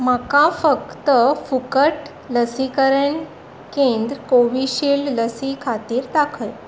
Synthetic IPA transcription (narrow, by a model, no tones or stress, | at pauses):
məkãfəkt̪əfukəʈ | ləsikəɾən | kend̪ɾəkoʋiɕiːlləsikʰat̪iːɾd̪akʰəj